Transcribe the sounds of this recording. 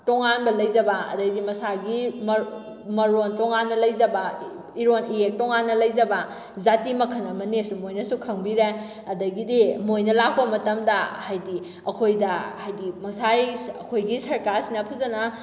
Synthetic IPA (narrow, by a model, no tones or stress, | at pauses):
toŋanbɐlɐjd͡ʒɐbɐɐ̰dɐɡdimɐsaɡim | mɐɾontoŋanːɐlɐjd͡ʒɐbɐ | iɾonijek̚toŋanːɐlɐjd͡ʒɐbɐ | zatimɐkʰɐnɐmɐnesumojnɐsukʰɐŋbiɾe | ɐdɐɡidimojnɐlak̚ʰpɐmɐtɐmdɐhajdi | ɐkʰojdɐhajdimɐsajɐkʰojɡisɐɾkaɾsinɐpʰɐzɐnɐ